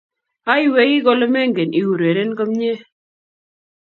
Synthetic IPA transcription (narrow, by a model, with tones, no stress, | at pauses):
a˦ɪ˦we˦ji˦ɡɔ˦lɔ˦mɛ˦ŋɡe˨ni˨wu˨ɾe˨ɾe˦nko˦mɲe˦